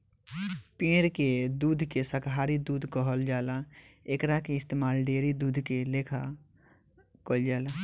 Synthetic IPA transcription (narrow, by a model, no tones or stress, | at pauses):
pẽːɾked̪uːd̪ʱkesəkɦaːɾid̪uːd̪ʱkəɦəld͡ʒaːlaekɾakeɪst̪eːmaːlɖeːɾid̪uːd̪ʱkeleːkʰa | kəld͡ʒaːla